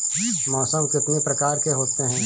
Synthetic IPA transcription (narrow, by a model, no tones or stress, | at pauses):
mɔːsəmkɪt̪nipɾɐkaːɾkeɦoːt̪eɦɛ̃ː